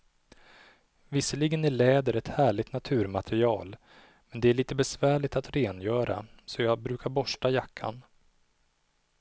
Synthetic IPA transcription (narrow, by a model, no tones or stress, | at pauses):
vɪsːəlɪɡənæɭɛːd̪əɾɛt̪hæːɭɪɡt̪nat̪ʰʉ̟ːɾmat̪ʰɛɾɪɑːl | mɛnd̪ɛæɭiːt̪əbɛsvæːɭɪt̪at̪ɾeːnjœːɾa̰sɔjɑːbɾʉ̟ːkʰaɾbɔʂʈajakʰːa̰n